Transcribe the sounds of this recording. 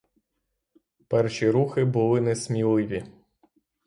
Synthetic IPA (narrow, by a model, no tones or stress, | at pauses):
pɛrʃʲiɾuxɪbʊlˠɪnɛsmʲilˠɪʋʲi